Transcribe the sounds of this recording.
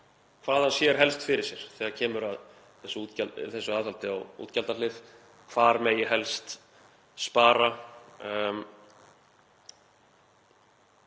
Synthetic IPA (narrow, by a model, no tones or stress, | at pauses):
kʰvaːðhansjɛɾ̥ɦɛlst̪fɪɾɪɾsjɛɾ̥θɛːɣaɾcʰɛːmʏɾað | θɛsʏuːt̪caθɛsːʏaːðhalt̪ɪawɣṵːt̪calt̪alɪð | kʰv̥aːɾmɛjɪɦɛlst̪ | spaːɾa